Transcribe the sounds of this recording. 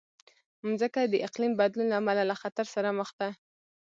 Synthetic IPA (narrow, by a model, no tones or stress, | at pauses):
mzəkad̪əʔɪqlimbad̪lunlaamalalaxat̪aɾsaɾaməxt̪a